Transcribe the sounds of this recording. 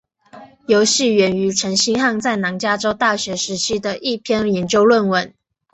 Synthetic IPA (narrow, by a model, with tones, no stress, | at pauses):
jo˧˥ʊɕi˥˨ɥɛ˨˩ny˧˥ʈ͡ʂʰə˧˥ŋɕi˥ŋxɑ˥˧ŋt͡sa˥˩ɪnɑ˧˥ŋt͡ɕja˥ʈ͡ʂo˥ʊt̪a˥˩ɕɥɛ˨˧˥ʂɻ̩˧˥ɕi˥˩d̪ə˨ʔi˥˨pʰjɛ˥˨njɛ˨˧˥nt͡ɕjo˥ʊlwə˥˩nwə˨˩˦n